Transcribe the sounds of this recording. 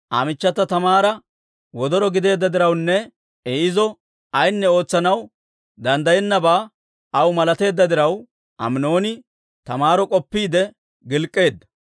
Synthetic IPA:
ʔa̰mɪt͡ʃːɐt̪ɐt̪ɐmaːɾɐ | wɔd̪ɔɾɔɡɪd̪e̞ːd̪ːɐd̪ɪɾɐwnːɛ | ɛɪzɔ | ɐjnːɛo̞ːt͡sːɐnɐw | d̪ɐnd̪ɐjɛnːɐbaː | ɐwmɐlɐt̪e̞ːd̪ːɐd̪ɪɾɐw | ʔɐ̰mno̞ːnɪ | t̪ɐmaːɾɔkʼɔpːiːd̪ɛ | ɡɪlkʼːe̞ːd̪ːɐ̥

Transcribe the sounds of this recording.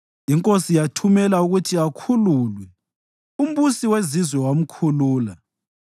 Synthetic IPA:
iŋkʼosijatʰumɛlauɣutʰiakʰululwɛ | um̩βusiwezizwɛwam̩kʰuluːla

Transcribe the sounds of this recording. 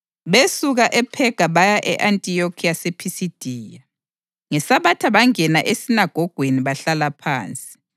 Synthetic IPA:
βesuɣaʔɛpʰɛɡ̥ʱaβajaʔɛ̰ʔantʼijokʰiasepʰisid̥ʱiːja | ŋɛsaβatʰaβaŋɛnaʔesinaɡ̥ʱɔɡ̥ʱweniβaɬalapʰa̰ːnt͡sʼi̥

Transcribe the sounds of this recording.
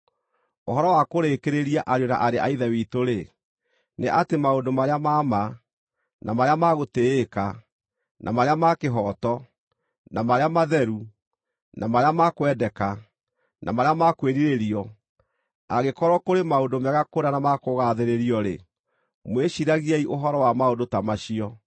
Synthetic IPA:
oɦɔɾɔwakoɾekeɾeɾiaʔaɾjona̰ʔaɾeʔaiðɛwiːtoɾe | neʔatemaondomaɾeamaːma | na̰maɾeamaɣoteeka | nʔa̰maɾeamakeɦɔtɔ | namaɾeamaðɛɾu | nʔamaɾeamakwɛdɛka | nʔa̰maɾeamakweɾiɾeɾiɔ | aɣekɔɾɔkoɾemaodomɛɣakoɾanamakoɣaðeɾeɾiɔɾḛ | mweɕiɾaɣiɛiʔoɦɔɾɔwamaondotamaɕiɔ

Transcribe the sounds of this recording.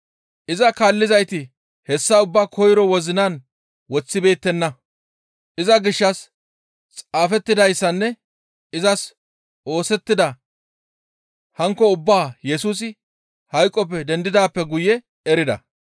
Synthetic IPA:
ʔɪzɐkaːlːɪzɐjt̪ɪ | hɛsːɐʊbːaːkʰɔjɾɔwɔzɪnan | wɔt͡sːɪbe̞ːt̪ːɛnːɐ | ʔɪzɐɡɪʃːɐs | t͡sʼaːfɛt̪ːɪd̪ɐjsːɐnːɛ | ɪzɐs | ʔo̞ːsɛt̪ːɪd̪ɐ | hɐŋkːɔʊbːaːjɛsuːs̬ɪ | hɐjkʼːɔp̬ːɛd̪ɛnd̪ɪd̪aːpːɛɡʊjɛ | ɛɾɪd̪ɐ̰

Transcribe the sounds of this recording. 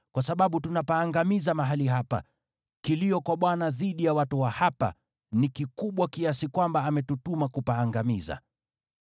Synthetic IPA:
kwasaɓaɓutunapaːŋɡamizamaɦaliɦapa̰ | kiliɔkwaɓwanaðiɗijawatuwahapa̰ | nikikuɓwakiasikwambaːmɛtutumakupaːŋɡamiza̰

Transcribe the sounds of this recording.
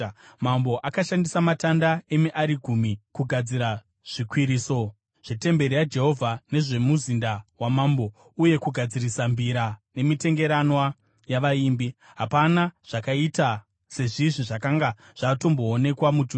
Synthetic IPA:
mambo̞ʔakaʃandisamatandae̞miʔaɾiɡʱumikuɡʱad͡ziɾa | ʐ̥ikwiɾiːso | ʐ̥ete̞mbe̞ɾijad͡ʒe̞ɦo̞vʱane̞ʐe̞muzindawamaːmbo | uje̞kuɡʱad͡zirisambiɾane̞mite̞ŋɡe̞ɾanwa | jaʋaiːmbi | ɦapanaʐ̥akaita | se̞ʐiʐiʐakaŋɡa | ʐ̥ato̞mbo̞ːne̞kwamud͡ʒu

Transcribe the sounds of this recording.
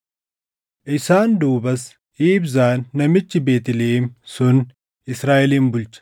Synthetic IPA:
ʔɪsaːnd̪uːbɐs | iːbzaːnːɐmɪt͡ʃːɪbeːt̪ɪleːmsʊn | ɪsɾaːʔɛliːmbʊlt͡ʃɐ̥

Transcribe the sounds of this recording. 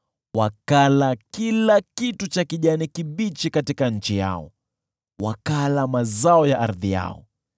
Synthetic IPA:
wakalakilakitut͡ʃakiʄanikiɓit͡ʃikatikaɲ̩t͡ʃija̰ɔ̰ | wakalamazaɔjaʔaɾðija̰ɔ̰

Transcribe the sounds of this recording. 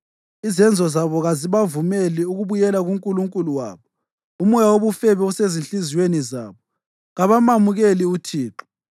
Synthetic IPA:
izɛnd͡zʱɔzaβɔɣaziβavumeliuɣuβujɛlaɣuŋkʼuluŋkʼuluwa̰ːβɔ | umɔjawoβufɛβɛusezinɬʼiziweniza̰ːβɔ | ɣaβamamuɣeliutʰiːǁɔ̥

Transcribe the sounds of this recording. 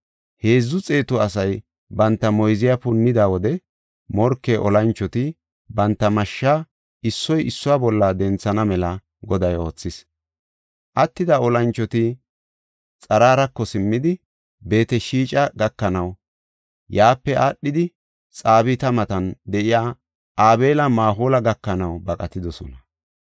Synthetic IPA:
he̞ːzːʊt͡sʼe̞ːt̪ʊɐsɐj | bɐnt̪ːɐmɔjzɪjapʊnːɪd̪aːwɔd̪ɛ | mɔɾkːeːʔɔlɐnt͡ʃːɔt̪ɪ | bɐnt̪ːɐmɐʃːaː | ɪsːɔjʔɪsːʊwaːbɔlːɐd̪ɛnt͡sːɐnɐmɛlɐ | ɡɔd̪ɐjo̞ːt͡sːɪs | ʔɐt̪ːɪd̪aɔlɐnt͡ʃːɔt̪ɪ | t͡sʼɐɾaːɾɐkːɔsɪmːɪd̪ɪ | be̞ːt̪ɛʃiːt͡ʃʼɐɡɐkːɐnɐw | jaːpːɛaːɗːɪd̪ɪ | t͡sʼaːbɪt̪ɐmɐt̪ɐnd̪ɛʔɪjaː | aːbe̞ːlɐmaːɦoːlɐɡɐkːɐnɐwbɐkʼɐt̪ɪd̪ɔsɔ̰nɐ

